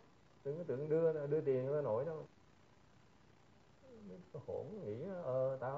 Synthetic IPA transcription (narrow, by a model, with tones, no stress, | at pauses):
t̪ɨ̰˨ŋkt̪ɨ̰˧˨əŋɗɨ˧ə˨ɗɨ˧ət̪i˨˩ən˨˦a˧˦no̰˧˦jnɔ˧˩ | mi˨˦kɔ˧˦ho˧˩n˨˧ŋḭ˧˥a˧˦ʔəː˨˩t̪a̰ː˧